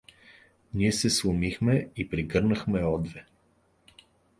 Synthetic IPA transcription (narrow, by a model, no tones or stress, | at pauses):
niɛsɛslˠʊmixmɛipɾiɡɤɾnəxmɛɔd̪vɛ